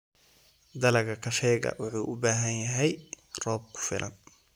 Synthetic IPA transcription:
d̪ɐlɐɡɐkʰɐʃɛːɡɐ̰wʊħuːʔʊbaːɦɐnjɐɦɛj | rɔːb̚kʰʊ̥fɪ̰lʔɐ̰n

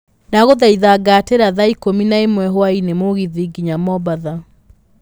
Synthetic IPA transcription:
naɣoðaiðaɡateɾaðaikominaemwɛɦoainemoɣiðiɡiɲamɔbaða

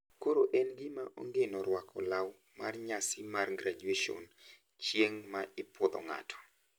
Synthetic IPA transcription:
koɾoʔɛnɡɪmaʔo̰ŋɡenɔɾwakʰɔ̰law | marɲasɪmarɡɾad͡ʒueʃo̰n | t͡ʃjeŋmaɪpɔd̪ɔ̰ŋa̰tʰɔ̥

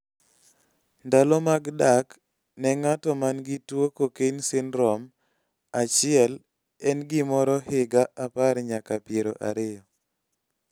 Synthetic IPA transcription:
ndalɔmaɡdak | nɛŋatɔmanɡɪtwokokensɪnɾɔm | at͡ʃɪɛl | ɛnɡɪmɔɾɔhɪɡaʔːpaɾɲakapeɾoʔa̰ɾɪjɔ

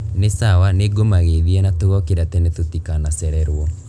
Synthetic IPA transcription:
nesawaneɡomaɣeðiɛnatoɣɔkeɾatɛnɛtotikanasɛɾɛɾwɔ

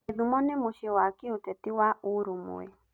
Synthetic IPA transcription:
ðumɔnemoʃewakeotɛtiwaoɾumo̰ɛ̰

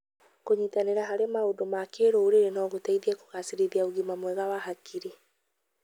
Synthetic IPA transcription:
koɲitaneɾaɦaɾemaodomakeɾoːɾeɾenɔɣotaiðiɛko̥ɣasiɾeðiaoɣimamwɛɣawahakʰiɾe

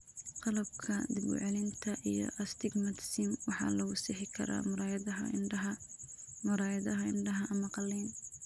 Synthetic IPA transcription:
qɑlɐbkʰɐd̪ɪbʊ̰ʕɛlɪnt̪ʰɐʔijɔ̰ʔɐst̪ʰɪɡmɐt̪ʰsimwɑħɑ̰ːlɐɣʊsɪħɪkʰɐ̰ɾa̰ːmʊɾaːjðɐɐ̰ɐ | mʊɾaːjɐðɐɦɐɪnɖɐɦɐʔɐmɐqɑlɛːn

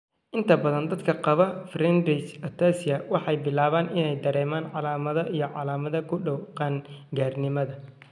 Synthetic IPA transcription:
ʔɪnt̪ʰɐbɐðɐnd̪ɐd̪kʰɐqɑβɐfrɛnrit͡ʃɔt̪ʰaːsɪjɐwɑħɑjbɪlaːβaːnɪnɛjd̪ɐɾɛːmaːnʕɑlaːmɐðɐʔijɞʕɑlaːmɐðɐkʰʊɖɔwqɑŋɡaːrnɪmɐðɐ

